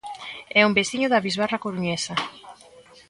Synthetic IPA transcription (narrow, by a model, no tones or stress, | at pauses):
ɛumbesθiɲʊðɐβizβarakoɾuɲesɐ